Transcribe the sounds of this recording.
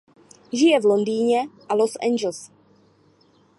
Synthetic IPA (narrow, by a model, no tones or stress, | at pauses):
ʒɪjɛvlond̪iːɲɛʔalosɛ̰nd͡ʒɛls